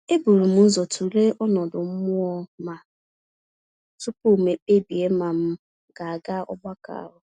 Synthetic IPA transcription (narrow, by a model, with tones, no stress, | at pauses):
e˦bu˨ɾu˨m̩˦n̩˦zɔ˨tu˨le˦ʔɔ˦nɔ˨dʊ˨m̩˦mʊ˦ɔ˦ma˨ | tu˦pu˦˨me˨k͡pe˦bi˨e˦ma˨m̩˦ | ɡa˨a˨ɡa˦ɔ̰˦ba˦ka̰˨a̰˦˨ɦʊ˨˦